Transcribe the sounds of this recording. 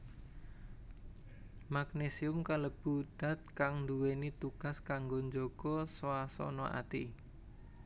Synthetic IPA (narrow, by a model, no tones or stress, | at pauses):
maɡnesiʊmkaləb̥ṳd̪̥a̤t̪̚kaŋnd̪uwenit̪uɡ̥a̤skaŋɡoɲd͡ʒoɡ̥ɔswasɔ̰nɔʔa̰t̪i